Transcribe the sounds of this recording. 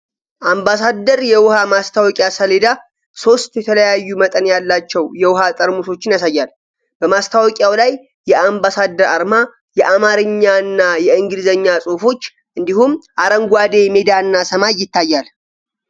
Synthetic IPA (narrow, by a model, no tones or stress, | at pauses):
ʔambasad̪əɾjɛwʊhamast̪ʰawɔkʼjasəled̪a | so̞st̪jɛt̪ʰələjajːumət̪ʼənjalːat͡ʃːɛwjɛwʊhat̪ʼəɾmuso̞t͡ʃːɪnjasajːal | b̥əmast̪ʰawɔkʼjawlajː | ɛʔambasad̪əɾa̰ɾma | jɛʔamaɾɨɲːanːajɛɨŋɡɨd̪zəɲːasʼofo̞t͡ʃː | ʔɨnd̪ihumʔaɾəŋɡʷad̪e̞med̪aɨnːasəmajːɪt̪ːajːal